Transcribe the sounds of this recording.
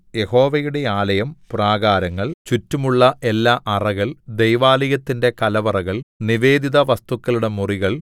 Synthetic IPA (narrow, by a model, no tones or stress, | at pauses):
je̞ho̞ːʋɐjuɽe̞aːlɐjɐmpuraːɡaːɾɐŋːɐɭt͡ɕutːumuɭːɐʔe̞lːaːʔɐrɐɣɐɭd̪ejʋaːliɣɐt̪ːinde̞kɐlɐʋɐrɐɣɐɭniʋe̞ːd̪iðɐʋɐst̪ukːɐɭuɽe̞muriɣɐɭ